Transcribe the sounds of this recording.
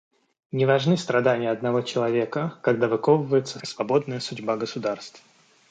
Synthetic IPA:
nʲɪvɐʐnɨst̪ɾɐd̪anʲɪjəɐd̪nɐvo̞t͡ɕɪlˠɐvʲe̞kəkɐɡd̪avɨkovəvəjɪt̪səsvɐbo̞d̪nəjəsʊdʲbaɡəsʊd̪arst̪f

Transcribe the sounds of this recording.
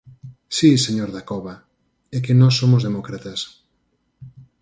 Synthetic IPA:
siseɲoɾðakɔβɐ | ɛkenɔsːomʊzðemɔkɾat̪ɐs

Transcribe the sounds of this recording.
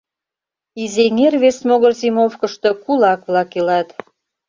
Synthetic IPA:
izeŋerβesmoɣərzimofkə̆ʃt̪ɤ̽kulɑkβlɑkilɑt̪

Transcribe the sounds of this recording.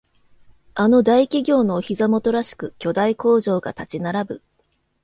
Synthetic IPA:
ano̞d̪aikʲiɡʲo̞ːno̞ːçizamo̞t̪o̞ɾaɕi̥kɯ̟kʲo̞d̪aiko̞ːʑo̞ːɡa̰t̪at͡ɕinaɾabɯ̟

